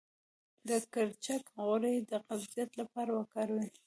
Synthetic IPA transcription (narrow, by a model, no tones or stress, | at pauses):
d̪əkaɾt͡ʃakɣʊɾed̪əqazjat̪lapɑɾawəkɑɾwi